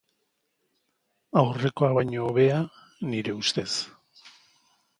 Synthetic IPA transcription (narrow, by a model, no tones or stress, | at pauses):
awre̞ko̞aβajɲo̞βe̞a | niɾe̞ust̪e̞s